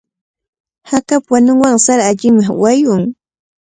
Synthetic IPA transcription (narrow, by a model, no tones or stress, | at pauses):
hakapwanʊŋwaŋsaɾaːʎɪŋmawajʊŋ